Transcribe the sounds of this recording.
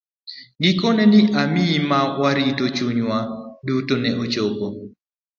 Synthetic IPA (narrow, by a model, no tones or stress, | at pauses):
ɡɪkonɛnɪʔamiimawaɾitot͡ʃuɲwadutonɛʔot͡ʃobo